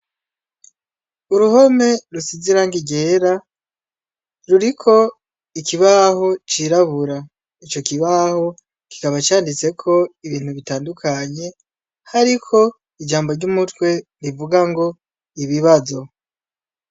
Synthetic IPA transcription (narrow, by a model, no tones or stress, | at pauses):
uɾuho̞me̞ɾusiziɾaŋɡiɡe̞ːɾa | ɾuɾikʰo̞ | ikiβaho̞t͡ʃiɾaβuɾa | it͡ʃo̞kiβaho̞ | ki̥kaβat͡ʃaːndit͡se̞kʰo̞iβiːn̥huβitaːndukʰaɲe̞ | haɾikʰo̞ | id͡ʒaːmbo̞ɾɟumutwe̞ɾivuɡaŋɡo̞ | iβiβazo̞